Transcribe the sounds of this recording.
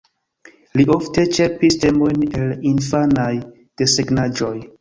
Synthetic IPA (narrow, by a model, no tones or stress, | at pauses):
liʔo̞fte̞t͡ʃe̞piste̞mo̞jne̞linfanaj | d̥e̞seɡnad͡ʒo̞j